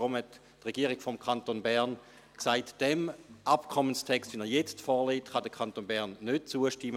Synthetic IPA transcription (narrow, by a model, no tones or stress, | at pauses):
ʁomhɛtː | ʁɛɡ̥iəʁɪɡ̥fɔmkʰantonbɛʁn | ksaɪtd̥ɛmʔapkʰɔmənstʰɛkstvinɛjɛt͡stfɔːleːtχɑdəkʰɑntoːnbɛʁnːød̥̚t͡suəʃtɪmə